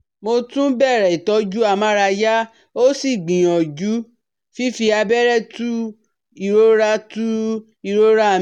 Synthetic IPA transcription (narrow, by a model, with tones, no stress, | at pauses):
mo˧tũ˦bɛ˦˨ɾɛ˨i˨tɔ˨˦d͡ʒu˦a˧˨mã˦ɾa˧ja˦ | o˦si˦˨ɡ͡bĩ˨j̃ɔ̃˨d͡ʒu˨˦ | fi˦fi˧a˧bɛ˦ɾɛ˦tu˦ | i˧ɾo˦ɾa˧˦tu˦ | i˧˨ɾo˦ɾa˦˨